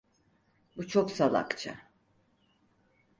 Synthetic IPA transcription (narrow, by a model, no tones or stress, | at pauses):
but͡ʃʰoksalˠa̰kt͡ʃʰa̰